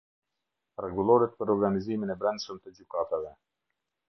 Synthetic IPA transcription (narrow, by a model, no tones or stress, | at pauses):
rɛɡulˠɔɾɛt̪̚pəɾɔɾɡaniziminɛbɾɛnd̪ʃəmt̪əd͡ʑukat̪avɛ